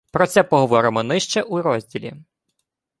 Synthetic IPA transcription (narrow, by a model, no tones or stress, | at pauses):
pɾɔt̪sɛpɔɦɔʋɔɾɪmɔnɪʃt͡ʃɛʔuɾɔzʲdʲilʲḭ